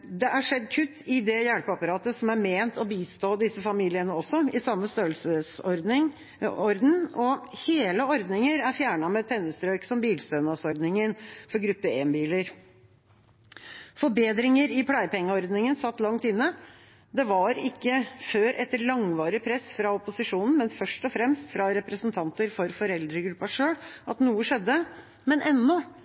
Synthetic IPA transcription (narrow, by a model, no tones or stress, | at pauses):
d̪ɛʔæʂɛd̪ːkʰʉt̪ːɪd̪ɛjæɽpəɑpɑɾɑːt̪əsɔmæɾmeːnt̪ɔbiːst̪oːd̪ɪsːəfɑmiːlɪənəɔsːɔɪsɑmːəst̪øːlsəsɔɾd̪ɪŋ | ɔɾd̪n̩ɔheːləɔɾd̪nɪŋəɾæɾfjæːɳɑmɛɛt̪̚pʰɛnːəst̪ɾœʏksɔmbiːlst̪œnɑsɔɾd̪nɪŋənfɔɾɡɾʉpːəeːnbiːləɾ | fɔbeːd̪ɾɪŋəɾɪpʰɽæɪpʰɛŋːəɔɾd̪nɪŋənsɑt̪ːlɑŋt̪ɪnːə | d̪ɛʋɑɾɪkːəføːɾʔɛt̪ːɭɑŋʋɑːɾɪpʰɾɛsːfɾɑɔpʊsɪʂuːnn̩mɛnfœʂʈɔfɾɛmst̪fɾɑɾɛpɾəsənt̪ʰɑnt̪əɾfɔɾfɔɾɛld̪ɾəɡɾʉpːɑʂøːɽʔɑt̪nuːəʂɛd̪ːə | mɛnʔɛnːɔ